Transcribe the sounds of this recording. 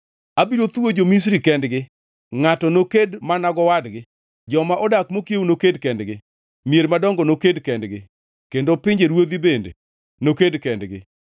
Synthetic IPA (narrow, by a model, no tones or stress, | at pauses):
abiɾot̪uwod͡ʒomis̬ɾikɛndɡɪ | ŋatɔnokedmanaɡɔwadɡɪ | d͡ʒɔmaʔɔdakmokjewunokedkɛndɡɪ | mjeɾmadɔŋɡɔnokedkɛndɡɪ | kendopɪɲd͡ʒeɾwod̪ibendḛ | nokedkɛndɡɪ̰